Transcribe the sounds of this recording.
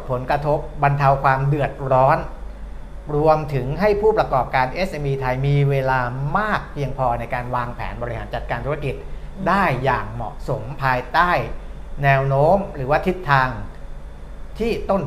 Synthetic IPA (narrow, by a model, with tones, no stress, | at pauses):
pʰo˩˦nkɾa˧t̪ʰo˦˥p̚ba˧nt̪ʰa˧wkʰwaː˧mdɯ˨˩ət̪̚ɾɔː˦˥n | ɾu˧əmt̪ʰɯ˩˦ŋɦa˥˩jpʰuː˥˩pɾa˧kɔː˨˩p̚kaː˧nʔe˦˥sʔeː˧mʔiː˧t̪ʰa˧jmiː˧weː˧laː˧maː˥˩k̚pʰi˧əŋpʰɔː˧na˧jkaː˧nwaː˧ŋpʰɛ̰ː˩˦nbɔː˧ɾi˦˥˩ha̰˩˦nt͡ɕa˨˩kaː˧nt̪ʰu˦˥a˥˧ki˨˩t̪̚daː˥˩jːaː˨˩ŋmɔ̰˨˩ʔso˩˦mpʰaː˧jt̪aː˥˩j | nɛː˧wnoː˦˥mɾɯː˩˦waː˥˩t̪ʰi˦˥t̪ʰːaː˧ŋ | t̪ʰiː˥˩t̪o˥˩n